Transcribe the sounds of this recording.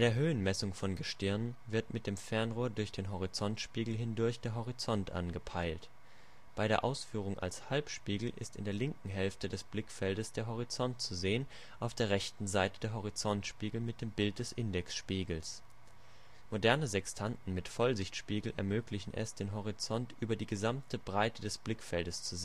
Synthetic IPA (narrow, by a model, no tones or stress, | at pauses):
aɪdeːɐɦøːənmɛsʊŋfɔnɡəʃtɪɐnənvɪɐtmɪt̚d̥eːmfɛɐnʁoːɐdʊɐçd̥eːnɦoʁ̞it͡sɔntʃpiːɡl̩ɦɪndʊɐçd̥eːɐɦoʁ̞it͡sɔntʔa̰nɡəpʰaɪlt | b̥aɪɾeːɐʔaʊsfyːʁ̞ʊŋʔa̰lshalpʃpiːɡl̩ʔɪ̰stɪ̰ndeːɐlɪŋkŋ̩ɦɛlftədɛsb̥lɪkfɛldəsd̥eːɐɦoʁ̞it͡sɔntt͡suzeːən | ʔaʊfd̥eːɐʁɛçtn̩zaɪtəd̥eːɐɦoʁ̞it͡sɔntʃpiːɡl̩mɪt̚d̥eːmbɪlt̚d̥ɛsʔɪndɛksʃpiːɡl̩s | modɛɐnəzɛkstʰantn̩mɪtfɔlzɪçtʃpiːɡl̩ʔɛ̰ɐmøːklɪçn̩ʔɛ̰sd̥eːnɦoʁ̞it͡sɔntʔyːbɐdiːɡəzamtʰəbʁaɪtədɛsb̥lɪkfɛldəst͡su